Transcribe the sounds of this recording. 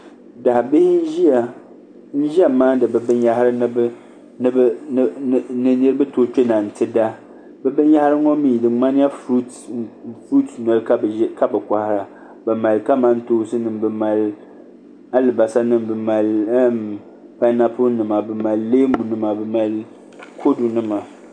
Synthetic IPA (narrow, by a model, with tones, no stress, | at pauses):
da˨hbɪ˦hɪ˦n˦ʒi˦a˨ | n̩˦ʒi˦a˨maː˦dɨ˨bɨ˨bɨ˦nja˦hɾɨ˦n˦b | nɨ˦b | nɨ˨ni˦ɾbɨ˦toː˦t͡ʃe˦na˨n̩˨tɨ˦da˦ | bɛ˦bɨ˦n˦ja˦hɾɨ˦ŋɔ˦miː˨dɨ˨˦ŋ͡ma˦nɪ˦ja˦fɾu˦t | fɾu˦tnɔ˨lɨ˦ka˦˨˦ka˦bɨ˨kʷa˨hɪ˨ɾa˨ | bɨ˨ma˨lka˦ma˦n˦toː˦sɨ˦nɨ˨mbɨ˨ma˨l | a˦lɨ˨ba˨sa˦nɨ˦˨mbɨ˨ma˨l | pa˦na˦pʊ˦nɨ˨ma˨bɨ˨ma˨lːeː˦m˦bu˨nɨ˦ma˨bɛ˨ma˨l | kʰo˦du˨nɨ˦ma˨